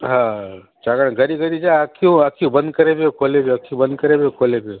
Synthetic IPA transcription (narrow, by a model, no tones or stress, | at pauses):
ɦã | t͡ʃaːɡəɽ̃ɡʱəɾiɡʱəɾid͡ʒaakʰiũakʰijũbə̃nd̪̚kəɾebekʰolebeakʰijũbənd̪̚kəɾebekʰoːlebe